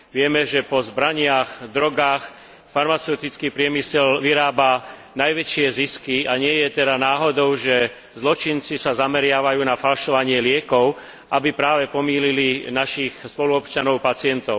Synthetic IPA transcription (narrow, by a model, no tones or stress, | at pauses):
ʋɪɛmɛʒɛpɔzbɾaɲɪaxd̪ɾɔɡaːx | faɾmat͡sɛʊt̪it͡skiːpɾɪɛmisɛlʋiɾaːbanajʋɛt͡ʃɪɛziskiaɲɪɛjɛt̪ɛd̪anaːɦɔd̪ɔʊʒɛ | zlɔt͡ʃint͡sisazamɛɾɪaʋajuːnafalʃɔʋaɲɪɛlɪɛkɔʊ | ʔabipɾaːʋɛpɔmiːlilinaʃixspɔluɔpt͡ʃanɔʊpat͡sɪɛnt̪ɔʊ